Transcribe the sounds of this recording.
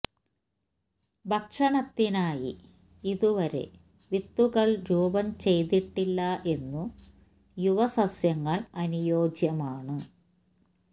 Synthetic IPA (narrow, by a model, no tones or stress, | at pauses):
bʱɐkʂɐɳɐt̪ːinaːjḭ | iðuʋɐɾe̞̰ | ʋit̪ːuɣɐɭɾuːbɐmt͡ɕe̞jt̪iʈːilːɐʔe̞nːu | juʋɐsɐsjɐŋːɐɭɐnujo̞ːd͡ʑjɐmaːɳɨ